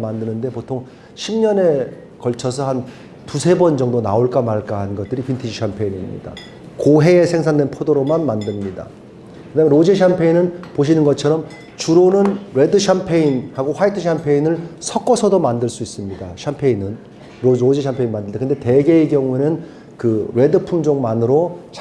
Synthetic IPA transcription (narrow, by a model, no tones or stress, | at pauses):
mandɯnɯnde̞potʰoŋ | ɕʰimɲʌne̞ | kʌɭt͡ɕʰʌsʰʌhan | tusʰe̞bʌnd͡ʑʌŋdona̰oɭk͈amaɭk͈aɦanɯnɡʌt̚t͈ɯɾipʰintʰid͡ʑiɕʰampʰeinḭmɲḭda̰ | koɦe̞ːsʰe̞ŋsʰaŋdwe̞npʰodoɾomanmandɯɭmɲida̰ | kkɯɲaɾod͡ʑeɕʰampʰe̞inɯnpoɕ̬ʰinɯnɡʌt͡ɕʰʌɾʌm | t͡ɕuɾonɯnɾe̞dɯɕʰampʰeinhaɡoɸwaitʰɯɕʰampʰe̞inɯɭsʰʌk͈ʌsʰʌdomandɯɭs͈uis͈ɯmɲidaɕʰampʰe̞inɯn | ɾoɾod͡ʑeɕʰampʰeinmandɯɭdakɯndete̞ɡe̞ːkjʌŋue̞nɯn | kɯɾe̞dɯpʰumd͡ʑoŋmanɯɾot͡ɕa